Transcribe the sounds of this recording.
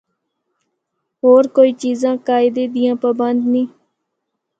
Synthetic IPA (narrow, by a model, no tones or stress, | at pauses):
ɦoːɾkoːiːt͡ʃiːzãːkaːɪd̪eːd̪ɪjãːpaːbənd̪nĩː